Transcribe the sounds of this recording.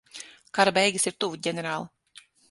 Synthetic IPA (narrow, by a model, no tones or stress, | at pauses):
kaɾabɛjɡʲisiɾt̪uvuɟʲɛnʲɛɾaːlˠi